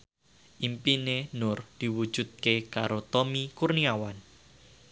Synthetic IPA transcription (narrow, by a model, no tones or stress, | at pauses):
ʔimpinenʊrd̪̥i̤wud̥ʒ̥ṳd̪̚kekaɾot̪omikurniawan